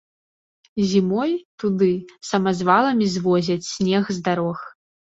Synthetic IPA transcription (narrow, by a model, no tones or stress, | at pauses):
zʲimɔjt̪ud̪ɨsɐmɐzvalˠɐmʲizvɔzʲɐt͡sʲsʲnʲɛxzd̪aɾɔx